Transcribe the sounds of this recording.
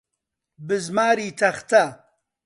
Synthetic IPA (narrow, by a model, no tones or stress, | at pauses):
bɨzmaːɾiːt̪ʰɐχt̪ʰɐ